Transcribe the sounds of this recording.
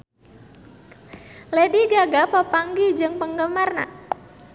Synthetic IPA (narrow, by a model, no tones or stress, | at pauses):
lediɡaɡapəpaŋɡid͡ʒɨŋpəŋɡəmarna̰